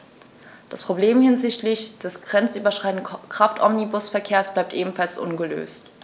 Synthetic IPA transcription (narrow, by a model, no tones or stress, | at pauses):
d̥aspʁ̥obleːmhɪnzɪçtlɪçd̥ɛsɡ̥ʁɛnt͡sʔyːbɐʃʁ̥aɪn̩d̩kʁ̥aftʔɔmnibʊsfɛɐkʰeːɐsb̥laɪp̚tʔeːbm̩falsʔʊ̰nɡəlø̰ːst